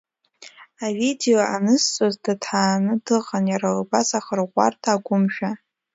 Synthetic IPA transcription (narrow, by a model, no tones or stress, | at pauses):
avide̞joʔanɨst͡sʼozdatʰħaːnɨdɨqʼanjaɾalbazaχərʁʷa̰rtʰaːɡʷʊmʃᶣa